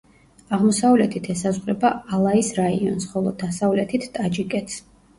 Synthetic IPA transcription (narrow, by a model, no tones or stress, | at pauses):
aʁmɔsavlɛt̪ʰit̪ʰɛsazʁɾɛbaalˠaisɾaiɔnsχɔlˠɔd̪asavlɛt̪ʰit̪ʰt̪ʼad͡ʒikʼɛt̪ʰs